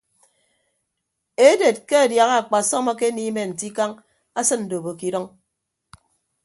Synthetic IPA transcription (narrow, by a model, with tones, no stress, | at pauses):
e˦de˨t̚ke˦a˨dja˨ɣa˦a˨k͡pa˨sɔ˦ma˦ke˦niː˦me˨n̩˨ti˦ka˦ŋ | a˦sɨ˦n̩˨do˨bo˨ki˨ɾɔ˦ŋ